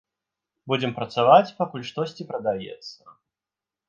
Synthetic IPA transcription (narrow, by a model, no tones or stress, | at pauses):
bud͡zʲɪmpɾɐt̪savat͡sʲpakulʲʂt̪ɔsʲt͡sʲipɾɐd̪ajɛ̰t̪sːɐ